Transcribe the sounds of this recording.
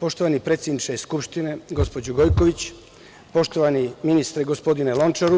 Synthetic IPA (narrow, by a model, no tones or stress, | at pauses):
po̞ʃt̪oʋanipɾet̪sʲjed̪nit͡ʃeiskupʃt̪ine̞ɡo̞spo̞d͡ʑoɡo̞jko̞ʋit͡ɕ | po̞ʃt̪oʋaniminist̪ɾeɡospo̞d̪inelˠo̞nt͡ʃaɾu